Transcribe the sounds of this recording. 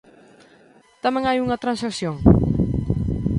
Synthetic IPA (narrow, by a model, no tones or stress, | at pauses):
t̪aməŋajuŋat̪ɾansaksjɔŋ